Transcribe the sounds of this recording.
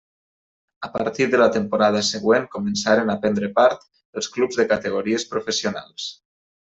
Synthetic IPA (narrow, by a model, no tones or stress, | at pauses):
əpa̰ɾt̪iɾðələt̪əmpoɾað̞əsəɣweŋkomənsaɾenapɛnd̪ɾəpaɾt̪ | əlˠsklubzðəkat̪əɣoɾiespɾofəsiona̰lˠs